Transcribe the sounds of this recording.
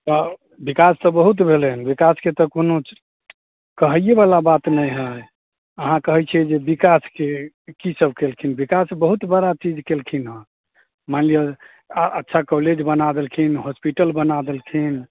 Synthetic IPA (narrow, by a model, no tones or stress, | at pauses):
t̪ɔ | bikast̪ɔbəɦut̪̬bʱelənbikasket̪əkono | kəɦəjjebalabat̪nəjɦə | əɦãkəɦɛt͡ʃʰɛd͡ʒebikaske | kisəbʱkelkʰinbikasbəɦut̪bəɾat͡ʃid͡ʒkelkʰinɦə̃ | manliə | ətːʃʰakɔled͡ʒbənad̪elkʰinɦospiʈəlbənad̪elkʰin